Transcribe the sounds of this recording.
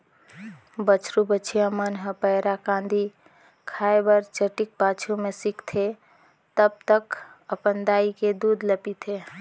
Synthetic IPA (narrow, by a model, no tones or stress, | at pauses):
bət͡ʃʰɾubət͡ʃʰijãmənɦəpəɦɾakãnd̪ʱi | kʰaebəɾt͡ʃəʈik̚pat͡ʃʰumesikt̪ʰe | t̪əb̚t̪əkəpənd̪aiked̪ud̪ləpit̪ʰe